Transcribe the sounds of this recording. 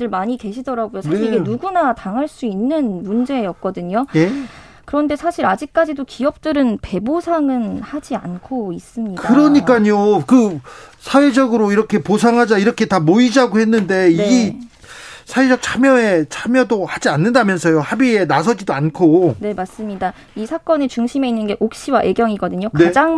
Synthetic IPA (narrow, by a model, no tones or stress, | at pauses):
dɯɭmaɲike̞ɕʰidʌɾaɡujosʰaiiɡenuɡunataŋɦaɭs͈uinːɯnmund͡ʑe̞ːjʌk̚k͈ʌdɯɲo | kɯɾʌnde̞sʰaɕʰiɾad͡ʑik̚k͈ad͡ʑidokiʌp̚t͈ɯɾɯnpe̞bosʰaŋɯnhad͡ʑia̰nkʰois͈ɯmɲidkaɯɾʌɲik͈aɲokɯsʰawed͡ʑʌɡɯɾoiɾʌkʰe̞posʰaŋɦad͡ʑaiɾʌkʰe̞tamoid͡ʑaɡohe̞nːɯnde̞iɡi | sʰawed͡ʑʌk̚t͡ɕʰamjʌet͡ɕʰamjʌdohad͡ʑianːɯndamjʌnsʰʌjohabie̞nasʰʌd͡ʑidoankʰone̞mas͈ɯmɲida | isʰak͈ʌnet͡ɕuŋɕʰime̞inːɯnɡe̞ʔok̚ɕ͈iwaʔe̞ɡjʌŋiɡʌdɯɲokned͡ʑaŋ